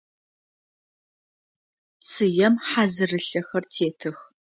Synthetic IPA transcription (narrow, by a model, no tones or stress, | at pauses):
t͡sʰɨjɛmħazɨrɨɬɐxɐrtʰeːtʰɨx